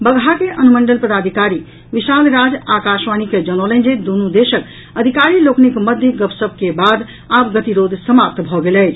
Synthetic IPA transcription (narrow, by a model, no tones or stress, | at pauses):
bəɡʱɦakeʔənuməɳɖəlpəd̪ad̪ʱikaɾi | ʋisalɾad͡ʒakasʋaniked͡ʒənɔlə̃nd͡ʒed̪unud̪esək | əd̪ʱikaɾiloknikməd̪ʱjəɡəpsəbʱkebad̪ | apɡət̪iɾod̪ʱsəmap̚t̪bʱɔɡelɛɪt͡ʃʰ